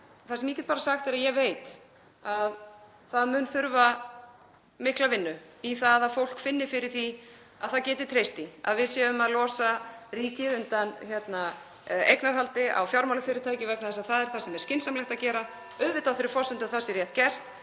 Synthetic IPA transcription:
θasɛmiːcɪt̪paːɾasaxt̪ɛɾaðjɛɣveːjt̪ | að | θaðmʏːnθʏɾva | mɪhklavɪnːʏ | iθaðaðfowl̥kfɪnːɪfɪɾɪɾ̥θi | aðθaðcɛːt̪ɪɾ̥t̪ʰɾejst̪ia̰ðvɪðsjɛːvʏmaðlɔːsariːcɪðʏnt̪ançjɛt̪na | ḛjknaɾɦalt̪ɪʔa̰wfjawɾmawlʏfɪɾɪɾt̪ʰaːjcɪvɛknaθɛsaðθaðɛɾ̥θasɛmɛɾ̥scɪnsamlɛhxt̪aðcɛːɾa | œðvɪt̪aðθɪɾɪɾfɔsʏnt̪ʏaðθasɪɾrjɛht̪̚cɛr̥t̪

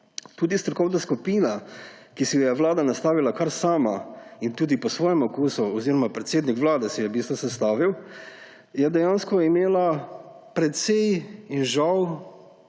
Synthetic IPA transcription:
t̪uːd̪ist̪ɾɔkɔwnaskupiːnakisijɛʋlaːd̪anast̪aːʋilakaɾsaːmaint̪uːd̪ipɔsʋɔːjɛmɔkuːsuɔziɾɔmapɾɛt̪seːd̪nikʋlaːd̪ɛsijɛbist̪ʋɔsɛst̪aːʋiw | jɛd̪ɛjanskɔimeːla | pɾɛt̪sɛjinʒaw

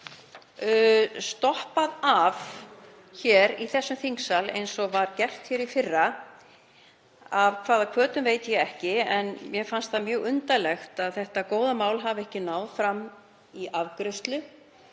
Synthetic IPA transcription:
st̪ɔhpaðav | çɛːɾiθɛsːʏmθiŋksalḛjnsɔvaɾcɛr̥t̪çjɛɾifɪrːa | avkʰv̥aːðakʰvœːt̪ʏmveːjt̪jɛɛhcɪɛnmjɛfanst̪θamjœːɣʏnt̪alɛxt̪aðθɛht̪akoːwðamaːwlɦavɛhcɪnaːwðfɾam | iʔavkɾʏst̪lʏ

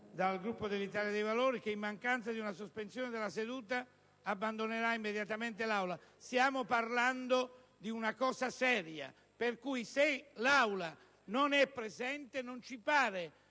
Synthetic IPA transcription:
d̪alɡɾupːod̪elːit̪aːljad̪ejvaloːɾik̟eimːaŋkant̪sad̪iunasospensjoːned̪elased̪uːt̪aː | bːand̪oneɾaimːed̪jat̪ament̪elawlast̪jaːmoparland̪o | d̪iunakɔːsasɛːɾja̰ | perkujselawla | nonɛpːɾezɛnt̪enont͡ʃipaːɾe

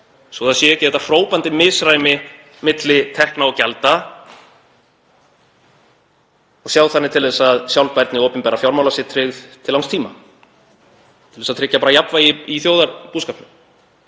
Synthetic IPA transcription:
soθasjɛɛcɪɛt̪afɾoːwpant̪ɪmɪsɾaːjmɪ | mɪt̪lɪt̪ʰɛhknaɔcɛlt̪a | ɔɣsjawθanːɪt̪ʰɪlðɛsːaðsjawlpajɾt̪nɪowpʏnmpɛːɾafjawɾmawlasɪt̪ʰɾɪɣðt̪ʰɪlawnst̪ʰiːma | tt̪ʰɪ̥lvɛsaðt̪ʰɾɪcːapaːɾajapvaiiθjowðaɾpuːskapnʏ

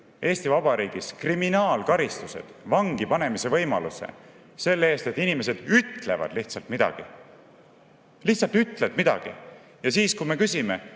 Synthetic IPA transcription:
ʔe̞ːst̪ivɑbɑɾiːɡ̥iskriminɑːlkɑɾist̪use̞̰d̪̥vɑŋɡipɑne̞mise̞vɤ̞jmɑ̰luse̞̰ | se̞lːee̞ːst̪e̞t̪ːˑinime̞s̬e̞d̪̥yt̪ˑle̞̰vɑ̰d̪̥liht̪sɑlt̪mid̪̥ɑ̰ɡ̥i | liht̪sɑlt̪yt̪ːˑled̪mid̪̥ɑ̰ɡ̥i | jɑsiːskujme̞kysime̞

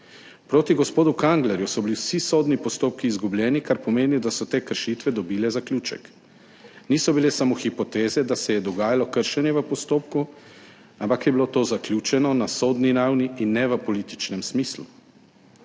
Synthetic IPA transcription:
pɾoːt̪iɡɔspoːd̪ukaŋɡlɛɾjusɔbiliwsisoːd̪nipɔst̪oːp̚kiːzɡublʲjɛːnikaɾpɔmeːnid̪asɔt̪eːkəɾʃiːt̪ʋɛd̪ɔbiːlɛzaklʲuːt͡ʃɛ̰k | niːsɔbilesamoxipɔt̪eːzɛd̪asɛjɛd̪ɔɡaːjalɔkəɾʃɛnjɛʋəpɔst̪oːpku | ampakjɛbilot̪oːzaklʲjuːt͡ʃɛnɔnasoːd̪niɾawniinːɛʋəpɔliːt̪i̥t͡ʃnɛmsmiːslṵ

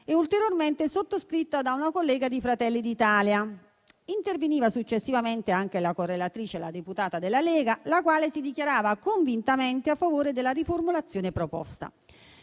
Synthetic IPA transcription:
eult̪eɾjorment̪esot̪ːoskɾit̪ːad̪aunakolːɛːɡad̪ifɾat̪ɛlːid̪it̪aːlja | int̪erveniːvasut͡ʃːesːivament̪eaŋk̟elakorːelat̪ɾiːt͡ʃela̰d̪eput̪aːt̪ad̪elːalɛːɡalakwaːlesid̪ikjaɾaːvakoɱvint̪ament̪eafːavoːɾed̪elːariformulat̪sːjoːnepɾopɔ̰st̪a̰

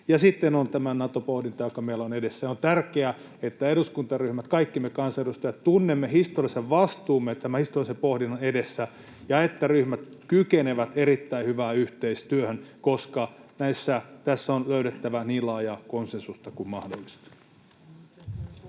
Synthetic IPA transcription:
jɑsit̪ːenont̪æmænɑt̪opohdint̪ɑjokɑmeilːæonedesːæont̪ærkeæ | et̪ːæeɾuskunt̪ɑryhmæt̪kɑikːimekɑnsɑedust̪ɑjɑt̪t̪unːemːehist̪oriɑseʋʋɑst̪uːmːet̪æmæhist̪oriɑsempohdinːɑnedesːæ | jɑet̪ːæryhmæt̪kykeneʋæt̪eɾit̪ːæihyʋæːyht̪eist̪yøhønkoskɑnæisːæt̪æsːonløyɾet̪ːæʋæniːllɑːjɑːkonsensust̪ɑkummɑhdolːˑist̪i̥

